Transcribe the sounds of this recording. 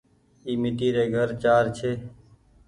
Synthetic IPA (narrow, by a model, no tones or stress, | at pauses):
iːmɪʈiːɾeːɡʱəɾt͡ʃaːɾt͡ʃʰeː